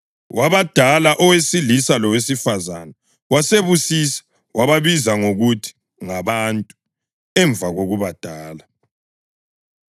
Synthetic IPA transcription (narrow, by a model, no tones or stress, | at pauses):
waβad̥ʱalaʔɔwesilisalɔwesifazanɛ | waseβusisḁ | waβaβizaŋoɣutʰi̥ | ŋaβantʼu̥ | ɛɱbvʱaɣoɣuβad̥ʱaːla